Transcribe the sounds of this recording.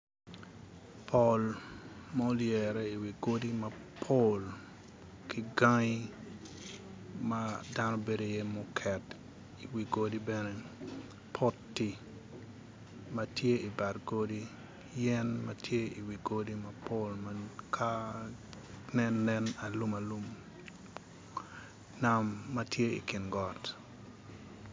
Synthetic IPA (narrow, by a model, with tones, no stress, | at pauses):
pʰo˨lmɔ˦ljɛ˨ɾɛ˦i˨wi˨ɡo˦di˦mɐ˦pʰol | kʰi˦ɡa˦ŋi˦ | mada˦no˦be˨do˦je˦mɔ˦kʰɛ˨t | i˨wi˨ɡo˦di˦bɛnɛ˦ | pʰɔ˦tːi˨ | mɐ˦tje˦i˨ba˨ɾɡodi˦ | jɛ˦nmatje˦i˨wi˨ɡo˦di˦mapo˦lmakʰa˦ | nɛnːɛna˨lu˦ma˨lu˦m | na˨mːɐ˦tje˦ḭ˨kɪ˨nɡɔ˨t